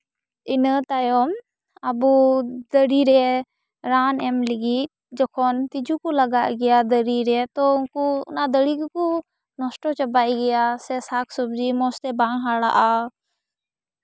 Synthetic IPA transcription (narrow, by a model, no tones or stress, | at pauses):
ɪnət̪ajɔm | ɐbud̪əɽiɾɛ | ɾaːnɛmlɪɡit̚ | d͡ʒɔkʰɔnt̪ɪd͡ʒukuləɡaʔɡɪjad̪əɾiɾɛt̪ɔʊnkuʊ̰nad̪əɽikku | nɔsʈɔt͡ʃɐbaːjɡɐjasɛsaːkʰsʊbd͡ʒimɔst̪ɛbãŋɦaɽa̰ʔa